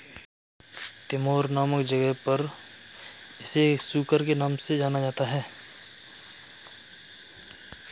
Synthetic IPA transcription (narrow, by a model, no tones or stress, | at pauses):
t̪ɪmoːɾnaːməkd͡ʒəɡəɦpəɾ | ɪsesuːkəɾkenaːmsed͡ʒaːnad͡ʒaːt̪aɦɛː